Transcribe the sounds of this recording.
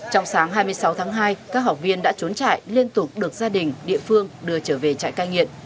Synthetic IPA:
t͡ɕɔ˧wŋ͡msaː˨˦ŋɦaː˧jmɨ˧əjsa˨˦wt̪ʰaː˨˦ŋɦaː˧jkaː˦˥k̚ɦa˨˩wk͡p̚vi˧ənɗa̰ː˧˥t͡ɕo˨˦nt͡ɕa̰ː˧˨jli˧ənt̪ʊ˨˩k͡p̚ɗɨ˨˩ək̚zaː˧ɗï˨˩ŋ̟ɗḭ˧˨əfɨ˧əŋɗɨ˨˧˩ət͡ɕəː˧˩ve˨˩t͡ɕa̰ː˧˨jkaː˧jŋḭ˧˨əm

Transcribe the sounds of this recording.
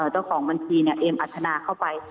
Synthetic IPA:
ʔɤː˨˩t͡ɕa˥˩wkʰɔː˩˦ŋba˧nt̪ʰiː˧ni˥˩ɐʔeː˧mʔa˨˩t̪ʰːa˧naː˧kʰa˥˩wpa˧j

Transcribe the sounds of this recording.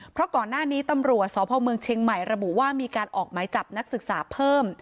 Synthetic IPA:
pʰɾɔ˦˥kɔː˨˩nːaː˥˩niː˦˥t̪a˧mɾu˨˩ət̪̚sɔː˨˦pʰɔː˧mɯ˧əŋt͡ɕʰeː˧ŋma˨˩jɾa˧bu˨˩ʔwaː˥˩miː˧kaː˧nʔɔː˨˩k̚maː˩˦jt͡ɕa˨˩p̚na˦˥k̚sɯ˨˩k̚saː˩˦pʰɤː˥˩m

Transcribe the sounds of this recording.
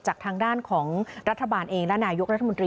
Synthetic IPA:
t͡ɕaː˨˩k̚t̪ʰaː˧ŋdaː˥˩nkʰɔː˩˦ŋɾa˦˥t̪ʰːa˧baː˧nʔeː˧ŋlɛ˦˥naː˧jo˦˥k̚ɾa˥t̪ʰːa˨m˧nt̪ɾiː

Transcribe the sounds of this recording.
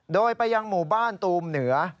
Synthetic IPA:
doː˧jpa˧jːa˧ŋmuː˨˩baː˥˩nt̪uː˧mnɯ˩˦ɐ

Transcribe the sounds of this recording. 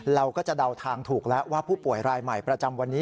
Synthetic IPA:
ɾa˧wkɔː˥˩t͡ɕa˨˩da˧wt̪ʰaː˧ŋt̪ʰuː˨˩k̚lɛ˦˥ʔwaː˥˩pʰuː˥˩pu˨˩əjɾaː˧jma˨˩jpɾa˧t͡ɕa˧mwa˧nːiː˦˥

